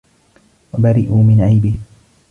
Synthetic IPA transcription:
wabaɾɪʔuːmɪnʕajbɪh

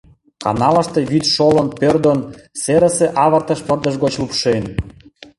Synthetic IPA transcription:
kɑ̰nɑlə̆ʃt̪eβit̪ʃolə̆npørd̪onseɾə̆seʔɑβə̆rt̪ə̆ʃpərd̪ə̆ʃɣot͡ɕlupʃen

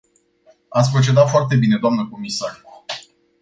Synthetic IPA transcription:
at̪sʲpɾo̞t͡ʃe̞d̪at̪foart̪e̞bine̞d̪oamnəko̞misar

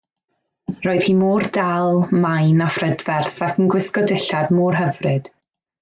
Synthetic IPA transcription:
roːɨð̥hiːmoːrdalˠmajnafrɛdvɛrθakʰənɡwɪskɔdɪɬadmɔːrɦəvrɨd̥

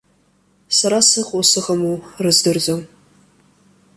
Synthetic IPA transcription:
saɾasɨqʼosɨʁəmurɨzdɨrzʼow

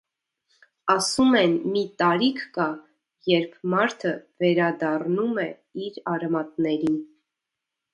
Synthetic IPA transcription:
ɑsumɛnmit̪ɑɾikʰkɑ | jɛɾpʰmɑɾt̪ʰəvɛɾɑd̪ɑrnumɛ | iɾɑɾɛmɑt̪̚nɛɾin

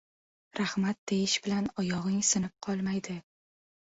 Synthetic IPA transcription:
ɾahmat̪̚d̪ejɪʃbɪlanɒjɒʁɪŋsɪnɪp̚qʰɒlˠmajd̪ɪ

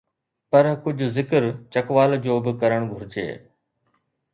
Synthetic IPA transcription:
pɐɾkʊd͡ʑʱʊzɪkəɾt͡ʃɐkʋaːld͡ʑoːbɪkɐɾəɽ̃ɡʱʊɾɪd͡ʑḛː

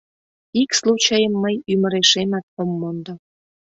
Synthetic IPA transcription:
ikslut͡ɕɑjəmːəjymə̆ɾeʃemɑt̪̚omːond̪o

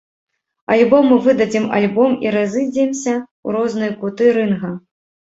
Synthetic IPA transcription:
alʲbɔmɨvɨd̪ɐd͡zʲɛma̰lʲbɔmiɾazɨd͡zʲɛmsʲɐ | uɾɔznɨjkut̪ɨɾɨnɣɐ

